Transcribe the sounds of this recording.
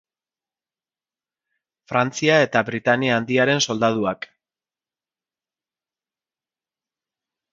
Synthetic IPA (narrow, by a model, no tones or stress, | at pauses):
fɾant͡siae̞t̪aβɾit̪aniaːnd̪iaɾe̞nso̞ld̪að̞uak